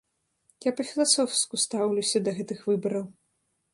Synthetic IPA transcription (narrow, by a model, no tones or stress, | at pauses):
japɐfʲilˠasɔwskust̪awlʲusʲɐd̪ɐɣɛt̪ɨxvɨbɐɾɐw